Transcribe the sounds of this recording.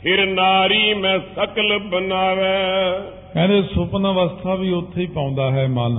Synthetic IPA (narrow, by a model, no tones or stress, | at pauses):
pʰɪɾnaːɾiːmɛ̃ːsəkəlbənaːʋɛː | kɛ̃ːnd̪eːsʊpnaːʋəst̪ʰaːbiːʊt̪ʰːeiːpãːʊ̃nd̪aːɦɛːmaːl